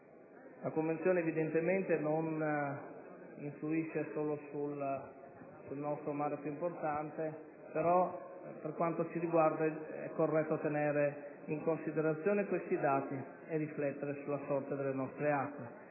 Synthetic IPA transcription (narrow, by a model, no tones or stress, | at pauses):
lakoɱvent̪sjoːneːvid̪ent̪ement̪enon | iɱfluiʃːesoːlosul | sulnɔst̪ɾomaːɾepjuimport̪ant̪e | peɾɔ | perkwant̪ot͡ʃiɾiɡward̪aɛ̰kːorːɛt̪ːot̪eneːɾe | iŋkonsid̪eɾat̪sːjoːnekwest̪id̪aːt̪i | eriflɛt̪ːeɾesulːasɔrt̪ed̪elːenɔst̪ɾeakːwe